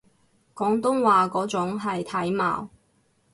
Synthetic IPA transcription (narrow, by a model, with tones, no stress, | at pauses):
kɔː˨˥ŋt̪ʊ˥ŋwaː˨kɔː˨˥t͡sʊ˨˥ŋɦɐ˨jt̪ʰɐ˨˥jma̰ː˨w